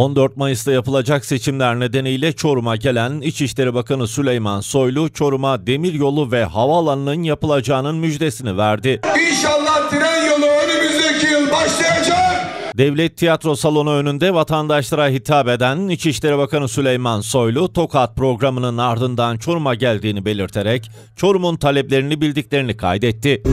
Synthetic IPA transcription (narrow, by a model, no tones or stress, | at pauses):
o̞nd̪øɾt̪̚majɯsd̪ajapɯlˠad͡ʒakse̞t͡ʃʰimlʲæɾne̞d̪e̞nijlʲɛt͡ʃʰo̞ɾumaɟe̞lʲænit͡ʃiʃlʲe̞ɾibakanɯsylʲejmanso̞jlˠut͡ʃʰo̞ɾumad̪e̞miɾjo̞lˠuvɛhavaːlˠanɯnɯnjapɯlˠad͡ʒaːnɯnmyd͡ʒd̪e̞sinivæɾd̪ɪinʃalˠːaht̪ʰiɾænjolˠuønemizlːecʰijlˠbaʃlˠajad͡ʒakd̪ɛvlʲɛt̪ʰːijat̪ɾo̞salˠo̞nuø̞nynd̪ɛvat̪ʰand̪aʃlˠaɾaɦit̪ʰaːbe̞d̪ænːit͡ʃʰiʃlʲe̞ɾibakanɯsylʲejmanso̞jlˠut̪ʰo̞kʰaːt̪̚pɾo̞ɡɾamɯnɯnaɾd̪ɯnd̪ant͡ʃʰo̞ɾumaɟælʲd̪iːnibe̞lʲiɾt̪ʰe̞ɾɛc | t͡ʃʰo̞ɾumunt̪ʰalʲɛplʲe̞ɾinibilʲd̪icʲlʲe̞ɾinikʰa̰jd̪ɛt̪ʰːɪ